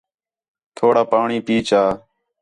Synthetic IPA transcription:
t̪ʰoːɽaːpaːɳiːpiːt͡ʃaː

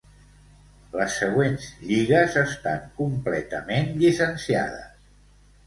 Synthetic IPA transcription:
ləsːəɣ̞wenzʎiɣəzəst̪aŋkumplɛt̪əmenʎisənsia̰ðə̰s

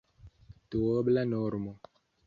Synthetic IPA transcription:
tuwobəlanɔɾmo

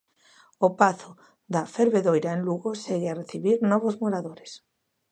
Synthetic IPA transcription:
opaθo | ðafeɾβeðojɾaẽnluɣoseɣeareθiβiɾnɔβ̞ozmoɾaðoɾes

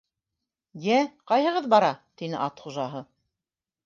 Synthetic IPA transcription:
jæqɑjɦɤ̆ʁɤðbɑɾɑt̪inɘʔɑt̪χuʒɑɦɤ

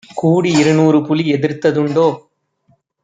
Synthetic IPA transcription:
kuːɽiɪɾɯnuːrɯpʊliɛðɪɾt̪ɐðɯɳɖoː

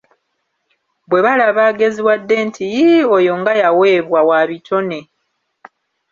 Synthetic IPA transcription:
bwe̞βalaβaːɡe̞ziwadːe̞ntʰijiojo̞ŋɡajawe̞ːβwawaβito̞ne̞

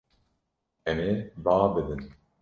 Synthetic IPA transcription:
ɛmebaːbɨd̪ɨn

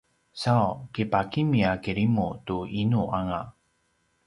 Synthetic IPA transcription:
saokepakimiakeɾimutuinuʔaŋa

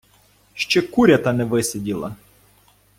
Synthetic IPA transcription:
ʃt͡ʃɛkuɾʲɐt̪ɐnɛʋɪsedʲilˠɐ̰

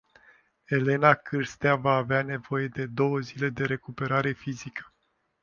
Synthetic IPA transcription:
e̞le̞nakɨrst̪eavaːveane̞vo̞je̞d̪e̞d̪o̞wəzile̞d̪e̞ɾe̞kupe̞ɾaɾe̞fizikə̥

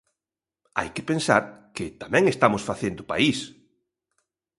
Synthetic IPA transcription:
a̰jkɪpensa̰ɾkɪt̪amɛ̃ŋest̪amʊsfaθend̪ʊpa̰is

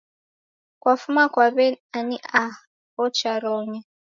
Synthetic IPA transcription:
kwafumakwaβɛaniʔa | ɔt͡ʃaɾɔɲɛ

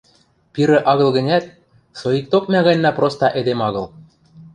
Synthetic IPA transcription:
piɾɘ̆ʔɑɣɤ̆lˠɣɘ̆nʲæt̪̚ | soik̚t̪ok̚mʲæɣɑjnʲːɑprost̪ɑʔed̪emɑɣɤ̆lˠ

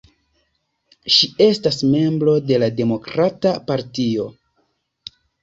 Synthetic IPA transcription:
ʃie̞stasme̞mbɾo̞de̞lade̞mo̞kɾatapaɾtio̞

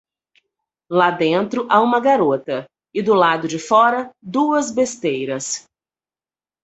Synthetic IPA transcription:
lad̪ẽnt̪ɾʊʔaũmɐɡaɾot̪ɐ | ɪd̪ʊlad̪ʊd͡ʒɪfɔɾɐd̪uɐzbest̪ejɾɐs

